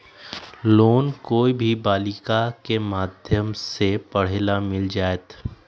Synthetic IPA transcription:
loːnkoːibʱibaːlɪkakemaːd̪ʱjəmsepɐɽ̤elamɪld͡ʒaːet̪

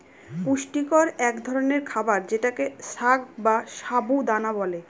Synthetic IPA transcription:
puʃʈikoɾɛkd̪ʱɔɾoneɾkʰabaɾd͡ʑeʈakeʃaɡ̚baʃabud̪anabɔle

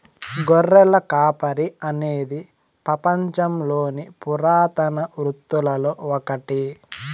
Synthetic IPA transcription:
ɡɔrːɛlɐkaːpɐɾiɐne̞ːd̪i | pɾɐpɐɲt͡ʃɐmlo̞ːnipuɾaːt̪ɐnɐʋɾut̪ːulɐloːɔkɐʈi

